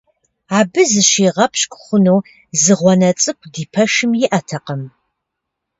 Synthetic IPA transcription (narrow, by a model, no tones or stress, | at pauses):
aːbɨzɨʃiːʁɐpʰɕkʷʼχʷʊnow | zɨʁʷɔnɐt͡sʼɨkʷʰdiːpʰɐʃɨmjɪʔɐtʰɐqɐm